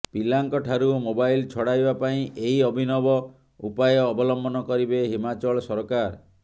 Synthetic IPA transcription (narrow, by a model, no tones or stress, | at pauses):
pilaŋkɔʈʰaɾumobajlt͡ʃʰɔɽajbapaĩʔeɦiɔbʱinɔbɔ | upajɔːbɔlɔmbɔnɔkɔɾibeɦimat͡ʃɔɭɔsɔɾɔkaɾ